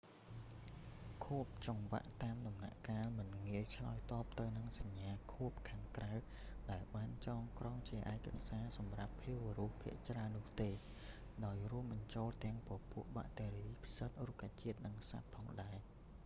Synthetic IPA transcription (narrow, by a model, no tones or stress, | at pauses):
kʰuəp̚t͡ɕɑŋʋa̰ʔt̪aːmɗɑmna̰ʔkaːlmɨnŋiəjt͡ɕʰla̰ɔjt̪ɑːp̚t̪ɨwnɨŋsaɲːaːkʰuəp̚kʰaːŋkraw | ɗaɛlɓaːnt͡ɕɑːŋkrɑŋt͡ɕiəʔaɛka̰saːsɑmrapʰːiəwʋəruəhpʰḭəʔt͡ɕraənːʊ̆əht̪eː | ɗaɔjrŭəmɓɑɲt͡ɕoːlt̪ɛ̆əŋpɔ̆puəʔɓa̰ʔt̪eːɾiːpʰisət̪̚rukʰaːt͡ɕiət̪̚nɨŋsa̰t̪̚pʰɑːŋɗaɛ